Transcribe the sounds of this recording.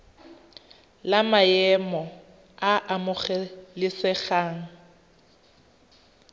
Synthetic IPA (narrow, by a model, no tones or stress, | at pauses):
lamajɛmɔ | aʔamʊχɛlɪsɛχaːŋ̩